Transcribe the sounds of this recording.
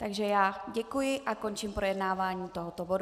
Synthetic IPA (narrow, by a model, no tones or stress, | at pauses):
t̪aɡʒɛjaːɟɛkujɪʔako̞nt͡ʃimpɾo̞jɛdnaːvaːɲiːt̪o̞ɦot̪obodu